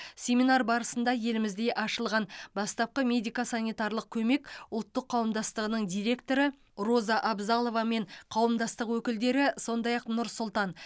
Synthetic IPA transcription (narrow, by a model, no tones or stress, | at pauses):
sʲe̞mʲinɑɾbɑɾəsənd̪ɑje̞lɪmɪzd̪e̞ʔɑʃəlˠʁɑnbɑst̪ɑp̚qəmʲe̞d̪ijkasanʲijt̪ɑɾlˠəq̚kʲʰɵme̞kʊlˠt̪ːəqʰːɑwəmd̪ɑst̪əʁənəɴd̪ijɾe̞kt̪o̞ɾə | ro̞zɑʔɑbzɑlˠo̞vɑme̞ɴqʰɑwəmd̪ɑst̪əqwɵkʲɪld̪e̞ɾɪso̞nd̪ɑjɑqnʊɾsʊlˠt̪ɑn